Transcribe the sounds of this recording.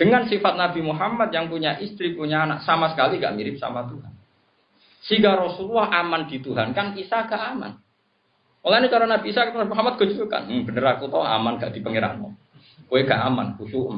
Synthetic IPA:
d̥əŋansifat̪̚nabimuɦamat̪̚jaŋpuɲaʔist̪ɾipuɲaːnaʔsamasə̥kaliŋɡa̰ʔmiɾɪp̚sa̰mat̪uɦan | siŋɡaɾɔsululahamandit̪uɦankanisaɡ̥aʔama̰n | olainit͡ʃaɾanabiːsakit̪anabimuɦamat̪̚ɡ̥od͡ʒuka̰n̩b̥ənəɾakut̪ɔa̰manɡaʔd̥i̤pəŋiɾa̰hnɔ̰ | ɡoɛɡaʔama̰nkusuʔm

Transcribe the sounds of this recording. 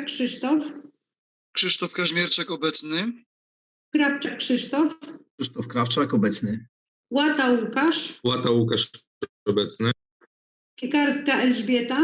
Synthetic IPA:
kʂɘʂt̪ɔf | kʂɘʂt̪ɔfkaʑmʲjɛɾt͡ʂakɔbɛt̪snɘ | kɾaft͡ʂakʂɘʂt̪ɔfʂɨʂt̪ɔfkɾaft͡ʂakɔbɛt̪snɘ | wat̪aukaʂwat̪aukaʂ | ɔbɛt̪snɘ | pʲikaɾskaʔɛlʐbʲjɛt̪a

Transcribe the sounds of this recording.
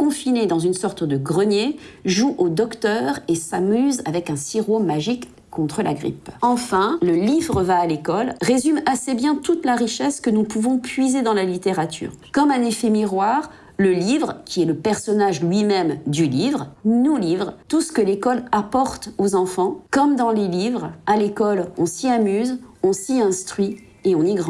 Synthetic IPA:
kɔ̃fined̪ɑ̃zynsɔʁt̪d̪əɡʁənjeʒuʔod̪ɔkt̪œʁesamyzavɛkɛ̃siʁomaʒikʰː | ɔ̃t̪χəlʔa̰ɡʁḭpɑ̃fɛ̃ləlivʁəvaːlekɔlʁezymasebjɛ̃t̪ut̪laʁiʃɛskənupuvɔ̃pʰɥized̪ɑ̃lalit̪eʁat̪ʰy̰ːʁkɔmanefemiʁwaʁ | ləlivʁəkʲiɛləpɛʁsɔnaʒlɥimɛmd̪ylivʁənulivʁt̪usə̥kəlekɔlapɔʁt̪ozɑ̃fɑ̃kɔmd̪ɑ̃lelivʁalekɔlɔ̃siamyzɔ̃siɛ̃st̪χɥi | eɔ̃niɡʁɑ̃

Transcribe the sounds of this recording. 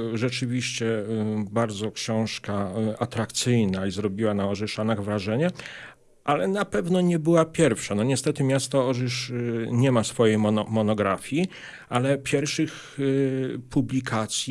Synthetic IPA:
ʐɛt͡ʂɘvʲiɕt͡ɕɛbaɾd̪zɔkɕɛ̃w̃ʂkaat̪ɾakt̪sɘjnaizɾɔbʲiwanaɔʐɛʂanaɣvɾaʐɛɲɛ | ʔalɛnapɛvnɔɲɛbɘwapʲjɛɾfʂanɔɲɛst̪ɛt̪ɘmʲjast̪aɔʐɘʂɲɛmasfɔjejmɔmɔnɔɡɾafʲji | alɛpʲjɛɾfʂɘx | pʰublʲikʰat̪sʲji

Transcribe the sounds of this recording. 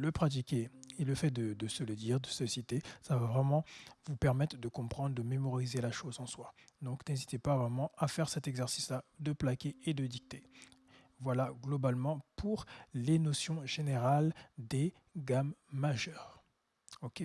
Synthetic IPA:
ləpχat̪̬ikʲeeləfɛd̪əd̪əsələd̪iʁd̪əsəsit̪esavavʁɛmɑ̃vupɛʁmɛt̪χəd̪əkɔ̃pχɑ̃d̪ʁd̪əmemɔʁizelaʃozɑ̃swad̪ɔ̃knɛzit̪epavʁɛmɑ̃afɛʁsɛt̪ɛɡzɛʁsislad̪əplakʲeed̪əd̪ik̚t̪e | vwalaɡlɔbalmɑ̃pʰuʁlenɔsjɔ̃ʒeneʁald̪e | ɡamːaʒœːʁ | ɔkʲe

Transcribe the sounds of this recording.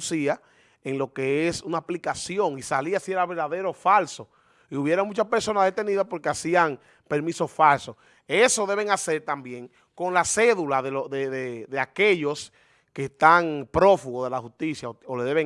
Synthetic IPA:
sia | eŋlo̞ke̞esunaːplikasjo̞ŋisaliasie̞ɾaβe̞ɾðaðe̞ɾo̞falso̞ | iuβje̞ɾamũt͡ʃaspe̞ɾso̞naðet̪e̞niðapo̞ɾkeasiaŋ | pe̞ɾmiso̞sfalsos | e̞so̞ðe̞β̞e̞ŋase̞ɾt̪ambje̞ŋ | ko̞ŋlase̞ðulaðeloðeðeðe̞ake̞ʎo̞s | keːst̪aŋpɾo̞fuɣoðe̞lahust̪isjaooleðeβe

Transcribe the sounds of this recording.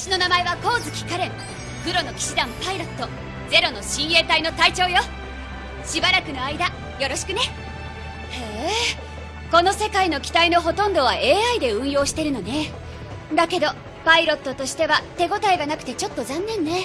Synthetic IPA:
ɕino̞namae̞βako̞ːzɨkʲi̥kaɾẽŋ | ɡ̥ɯ̟ɾo̞no̞kʲi̥ɕid̪ãmpaiɾo̞t̪ːo̞ | d͡ze̞ɾo̞no̞ɕĩɰ̃e̞ːt̪aino̞t̪ait͡ɕo̞ːjo̞ | ɕibaɾakɯ̟no̞aid̪a | jo̞ɾo̞ɕi̥kɯ̟ne̞ | heː | ko̞no̞se̞kaino̞kʲi̥t̪aino̞ɦo̞t̪õ̞nd̪o̞β̞aʔe̞ːaid̪e̞ɯ̟̃ɰ̃jo̞ːɕi̥t̪e̞ɾɯ̟no̞ne̞ | d̪ake̞d̪o̞ | paiɾo̞t̪ːo̞t̪o̞ɕi̥t̪e̞βat̪e̞ɡo̞t̪aiɡanakɯ̟t̪e̞t͡ɕo̞t̪ːo̞zãnːẽ̞nːe̞

